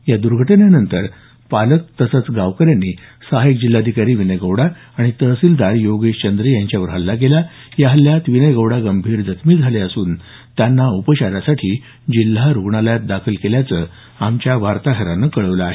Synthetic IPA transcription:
jad̪uɾɡʱəʈənjanənt̪əɾ | palək̚t̪ːəsət͡sɡaʋkəɾjanːiːsəɦaik̚d͡ʑilːad̪ʱikaɾiːʋinəjɡəwɽa | aɽ̃it̪əsiːld̪aɾjoɡeɕt͡ɕənd̪ɾijaɲt͡ɕjaʋəɾɦəlːakela | jaɦəljat̪ʋinəjɡəwɽaɡəmbʱiːɾd͡zət̪miːd͡zʱaleəsuːn | t̪janːaupəɕaɾasaʈʰiː | d͡ʑilːaɾuɡɳaljat̪̚d̪akʰəlkeljat͡səː | amt͡ɕjaʋaɾt̪aɦəɾanəkəɭəʋləaɦe

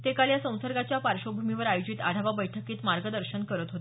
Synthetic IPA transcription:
t̪ekaljasə̃w̃səɾɡat͡ɕjapaɾɕobʱumiʋəɾajod͡ʑit̪a̰ɽ̤ʱaʋabəjʈʰəkiːt̪maɾɡəd̪əɾɕənkəɾət̪ɦot̪

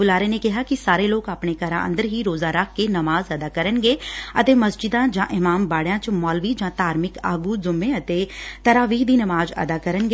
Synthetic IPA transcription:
ʊlaːɾeːneːkɪɦaːkɪsaːɾeːloːkaːpɳeːkəɾã̰ːʔə̰̃nd̪əɾɦiːɾoːzaːɾək̚ʰkeːnəmaːzəd̪aːkəɾənɡeːət̪eːməsd͡ʒɪd̪ãːd͡ʒãːʔɪmaːmbaːɽjãːt͡ʃmɔːlʋiːd͡ʒãːt̪aːɾmɪka̰ːɡuːzʊmːeːət̪eːt̪əɾaːʋiːɦd̪iːnəmaːzə̰d̪aːkəɾənɡeː

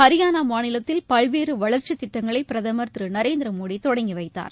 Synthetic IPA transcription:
ɐɾɪjaːnaːmaːnɪlɐt̪ːɪlpɐɭʋeːɾɯʋɐɭɐɾt͡ʃɯt̪ːɪʈːɐŋɡɐɭɐɪpɪɾɐðɐmɐɾt̪ɾɯnɐɾeːnd̪ɪɾɐmoːɽit̪ɔɽɐŋɡiʋɐɪt̪ːa̰ːɾ

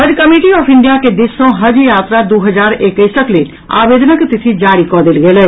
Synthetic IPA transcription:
ɦɐd͡ʒkɐmeːʈiɔːpʰɪ̃ɳɖijaked̪ɪsõɦɐd͡ʒjaːt̪ɾad̪oːɦəzaːɾeːkə̃ɪsəkle | a̰ːʋeːd̪ənəkt̪ɪt̪ʰid͡ʒaːɽikɔːd̪ɪlɡeːlɛː

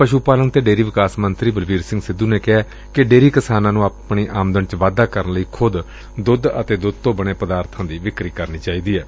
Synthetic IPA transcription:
pəʃuːpaːləŋt̪eːɖeːɾiːʋɪkaːsmənt̪ɾiːbəlʋiːɾsɪ̃ŋɡsɪd̪ːuːneːkɪɛː | kɪɖeːɾiːkɪsaːnãːnũːaːpɳiːʔaːmd̪ənt͡ʃʋaːd̪aːkəɾənləiːkʰʊd̪ | d̪ʊd̪ə̰t̪eːd̪ʊd̪̚t̪õːbəɽ̃eːpəd̪aːɾt̪ʰãːd̪iːʋɪkɾiːkəɾniːt͡ʃaːiːd̪iːɛː

